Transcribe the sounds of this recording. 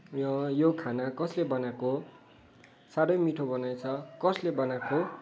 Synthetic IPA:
jʌjokʰanakʌslebʌnako | saɽʌjmiʈʰobʌnajt͡sʰʌkʌslebʌnako

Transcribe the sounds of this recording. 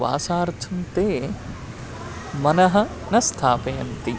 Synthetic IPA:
ʋa̰ːsaːɾt̪ʰɐmt̪eː | mɐnɐɦɐ̆ | nɐst̪ʰaːpeːɐnt̪i

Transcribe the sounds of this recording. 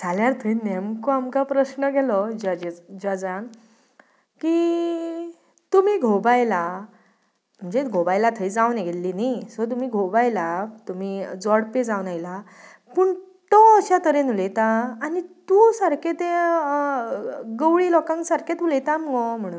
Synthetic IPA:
d͡zʱaljaɾt̪ʰəinemkoamkapɾəɕnəɡʱɛlɔd͡ʑad͡ʑad͡zan | ki | t̪um̤iːɡʱobajla | m̤əɳd͡zeɡʱobajlat̪ʰəid͡zawneɡʱelːinasɔt̪̬um̤iːɡʱobajlat̪um̤id͡zɔɽped͡zawnajla | pəːɳ | t̪ɔəɕat̪əɾenulet̪aːnit̪usaɾkʰet̪e | ɡəwɽiːlɔkãŋksaɾkʰet̪ulet̪aməŋɡɔm̤əɽ̃uːn

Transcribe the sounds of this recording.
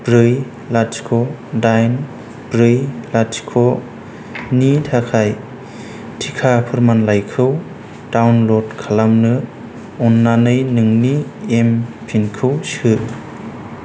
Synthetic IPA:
bɾɯj | lat͡ʃkʰɔ | dajn | bɾɯjlatkʰɔ | nitʰakʰaj | tʰikʰapʰɯɾmanlajkʰɯw | tawnlɔdkʰalamnɯ | ɔnːanɯjnɯŋniempʰinkʰɯwsɯ

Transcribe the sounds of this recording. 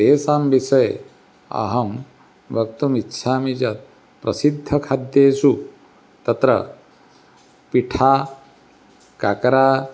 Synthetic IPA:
t̪eːsaːmbisɐj | ɐ̰ɦɐm | bʱɐkt̪umitːʃʰaːmid͡ʒɐt̪̚ | pɾɐsid̪ʱːɐkʰad̪jeːsu | t̪ɐt̪ɾɐ̰ | piʈʰaː | kakɐɾaː

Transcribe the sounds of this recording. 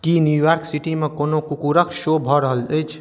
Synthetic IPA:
kinjujaɾksiʈimekonokukuɾəkʃobʱɔɾəɦələjt͡ʃʰ

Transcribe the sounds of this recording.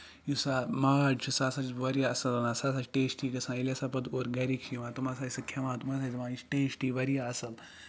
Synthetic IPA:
jusamaʋaːɖt͡ʃʰusaːsat͡ʃʋɐɾʲjaɐsɐlɐnasasat͡ʃʈeːsʈiːkɐsãːilʲasapɐd̪oɾɡɐɾikʃʰiʋãːt̪umaːsaːisɐkʲʰeʋãːt̪umaːs̬azʋãːit͡ʃʈeːsʈiːʋɐɾijaɐsɐl

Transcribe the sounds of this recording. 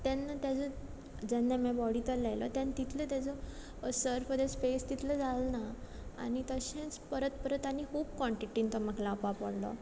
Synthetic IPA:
t̪jɛnːat̪jad͡zɔ | d͡ʑɛnːamɛbɔɽit̪əllːajlɔ̰t̪jant̪it̪ʰlət̪jad͡zɔ | səɾfəd̪esfest̪it̪ʰləd͡zalna | a̰nit̪əɕẽt͡spəɾət̪̚pəɾət̪anikʰuːbkɔɳʈiʈint̪ɔməklãːpapəɽlɔ̰

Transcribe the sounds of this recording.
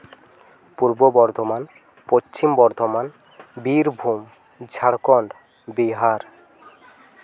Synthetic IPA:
puɾbobɔɾd̪ʱoman | post͡ɕimbɔɾd̪ʱoman | biɾbʱum | d͡ʑʱaɽkɔɳɖ | biɦaɾ

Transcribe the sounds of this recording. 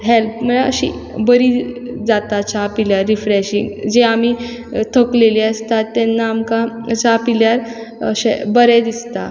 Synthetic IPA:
ɦelp̚məɭaə̰ɕḭ | bəɾid͡zat̪at͡ɕapiljaɾːifɾeɕḭŋɡd͡ʑeami | t̪ʰəkleliəst̪at̪ːɛnːaːmkat͡sapiljaɾ | əɕḛbəɾɛd̪ist̪a

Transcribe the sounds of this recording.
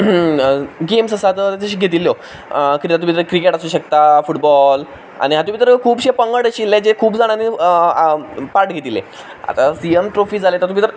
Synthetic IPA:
ɡemsəsat̪ət̪at͡səɕiːɡʱet̪ilːjo | kiɾiat̪umit̪əɾkɾikeʈasuːɕək̚t̪afuʈbɔl | a̰ɽ̃iɦat̪̬um̤iːt̪əɾkʰuːbɕepəŋɡəɽəɕilːed͡ʑekʰuːbd͡zaɽ̃ani | paɾʈɡʱet̪ilḛ | a̰t̪asiəmʈɾofiːd͡zʱalet̪əɾt̪umit̪əɾ

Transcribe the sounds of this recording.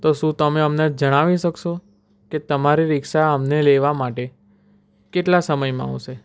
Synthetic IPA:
t̪oʃũt̪əmeəmnad͡ʒd͡ʒəɽ̃aʋiʃəkʃo | ket̪əmaɾiɾɪkʃaəmneleʋamaʈe | keʈlasəməjmãa̰ʋʃe

